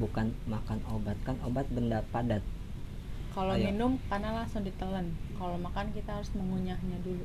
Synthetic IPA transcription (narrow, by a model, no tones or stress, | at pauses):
bukanmakanobat̪̚kanobat̪̚bəndapadat̪̚ | kalominʊmkarnalasʊŋdit̪ələnkalomakankit̪aɦaɾʊsməŋuɲahɲadulu